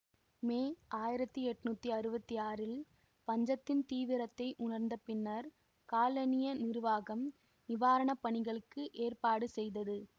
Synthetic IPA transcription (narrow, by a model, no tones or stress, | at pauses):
meːʔaːjɪɾɐt̪ːɯɛʈːɯnuːt̪ːiɐɾɯbɐt̪ːiaːɾɪl | pɐɲd͡ʒɐt̪ːɪnt̪iːʋɪɾɐt̪ːɐɪʔʊɳɐɾnd̪ɐpɪnːɐɾ | kaːlɐnɪjɐnɪɾɯʋaːɣɐm | nɪʋaːɾɐɳɐpɐɳɪɣɐɭɯkːɯʔeːrpaːɽɯsɛjðɐðɯ